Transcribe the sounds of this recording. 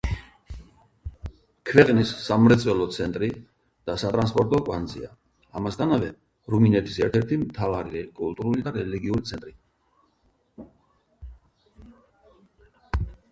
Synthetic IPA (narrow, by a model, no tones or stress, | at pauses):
kʰvɛqʼnisːamɾɛt̪sʼwɛlɔt̪sʰɛnt̪ʼɾi | d̪̥asat̪ʼɾanspʼɔɾt̪ʼɔkʼwanzḭa̰ | amasd̪t̪ʰanavɛ | ɾuminɛt̪ʰi̥sɛɾt̪ʰɛɾt̪ʰimt̪ʰavaɾiɾɛkʼult̪ʼuɾulid̪aɾɛliɡiuɾit̪sʰɛnt̪ʼɾi